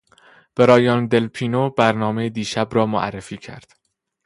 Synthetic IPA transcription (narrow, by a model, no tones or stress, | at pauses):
b̥eɾɒːjɒːnd̪e̞lpʰiːnobæɾnɒːmejed̪iːʃæbɾɒːmoʔæ̰rːefiːcʰæ̰ɾd̪̥